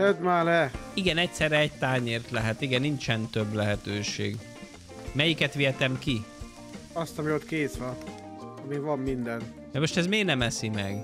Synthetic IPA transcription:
ɛd̪maːlɛiɡɛnɛc̚sɛrɛɛc̚t̪aːɲeːrt̪lɛɦɛt̪iɡɛnːint͡ʃɛnt̪øblɛɦɛt̪øːʃḛːɡ | mɛjikɛt̪ʋiɛt̪ɛmki | ɒst̪ɒmiot̪keːsʋɒ | ɒmiʋɒmːind̪ɛn | d̪ɛmo̞ʃt̪ɛzmeːnɛmɛsimɛɡ

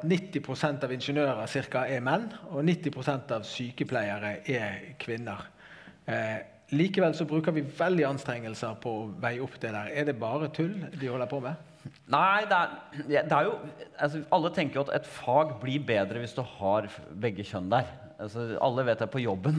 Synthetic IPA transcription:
nɪt̪ːɪpʰɾʊsɛnt̪ɑʋɪnʂənøːɾəsɪɾkɑɛmɛnːɔnɪt̪ːɪpʰɾʊsɛnt̪ɑʋsyːkəpʰlæɪəɾəʔɛkʰʋɪnːəʁ | liːkəʋɛlsɔbɾʉːkəɾʋɪʋɛld̪ɪɑnst̪ɾɛŋːəlsəɾpʰɔɔʋæɪʊpːd̪ɛd̪æɾɛd̪ɛbɑːɾət̪ʰʉld̪ɪhɔlːəɾpʰɔmɛ | næɪd̪ɛæjæd̪ɛæɾjʊɑs̬ɔʔɑlːət̪ʰɛŋkəjʊɑt̪ɛ̰t̪fɑːɡbliɾbeːd̪ɾəʋɪsd̪ʉhɑɾbɛɡːəçœnd̪æɾ | ɑsɔɑ̰lːəʋeːt̪̚d̪ɛpʰɔjɔbːən

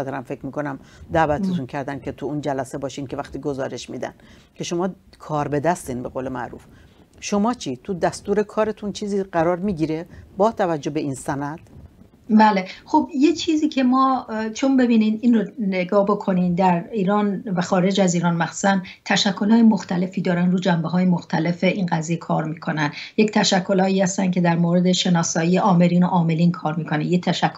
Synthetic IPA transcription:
t̪eɾæmfe̞cʰmiːko̞næmd̪æːvæt̪ʰet̪uncʰæɾd̪æncʰe̞t̪ʰuuːnd͡ʒælæse̞bɒːʃiːnkʰe̞væχt̪iːɡozɒːɾe̞ʃmiːd̪æ̰n | cʰe̞ʃo̞mɒː | kʰɒːɾbe̞d̪æst̪iːnbe̞ɣoːlemæ̰ʔɾṵːf | ʃo̞mɒːt͡ʃʰiːt̪ʰud̪æst̪uːɾe̞kʰɒːɾe̞t̪ʰunt͡ʃʰiːziːɢæɾɒːɾmiːɟiːɾebɒːt̪ʰævæd͡ʒːobe̞ʔiːnsænæd̪̥ | bæːlexobjet͡ʃʰiːziːcʰe̞mɒːt͡ʃʰonbe̞biːnininroneɡɒːbo̞kʰo̞niːnd̪æɾiːɾɒːnvæxɒːɾe̞d͡ʒæziːɾɒːnmæxsu̥ːsænd̪t̪ʰæʃækʰːo̞lhɒːjemoxt̪ʰæle̞fiːd̪ɒːɾænd̪ɾuːd͡ʒæmbeɦɒːjemoxt̪ʰæle̞fe̞ʔinɢæzije̞kʰɒːɾmiːkʰo̞nænd̪ject̪ʰæʃækʰːolhɒːiːhæst̪æncʰe̞d̪æɾmoːɾe̞d̪e̞ʃe̞nɒːsɒːiːeʔɒːme̞ɾiːno̞ʔɒːme̞liːnkʰɒːɾmiːkʰo̞nejet̪ʰæʃækʰːo

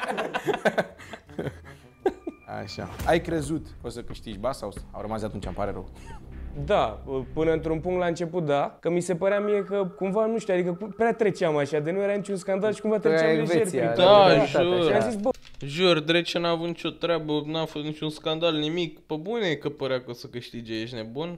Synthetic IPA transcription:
a̰ʃa̰ajkɾe̞zut̪osəkɨʃt̪it͡ʃʲbasawsa̰wɾəmazat̪unt͡ʃa̰mpaɾḛɾə̰w | d̪aəpɨnəɨnt̪ɾunpuŋkt̪laɨnt͡ʃe̞put̪̚d̪akəmise̞pəɾeamije̞kəkumvanuʃt̪uad̪ikəpɾʲat̪ɾet͡ʃeamaʃad̪enujeɾanit͡ʃʲunskand̪alʃi̥kũmvat̪ɾet͡ʃaeveeɾiaaʒauɾamzisbə | ʒurd̪ɾet͡ʃenuavut̪nit͡ʃʲo̞t̪ɾeabənuafosnit͡ʃʲunskand̪alnimikpəbunekəpəɾeakosəkɨʃt̪id͡ʒejeʃʲnebun

